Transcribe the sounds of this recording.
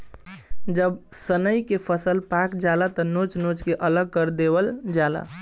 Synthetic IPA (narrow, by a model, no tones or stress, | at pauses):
d͡ʒəbsənəjkepʰəsəlpakd͡ʒalat̪ɔnot͡ʃnot͡ʃkeʔələɡ̚kəɾd̪ebəld͡ʒala̰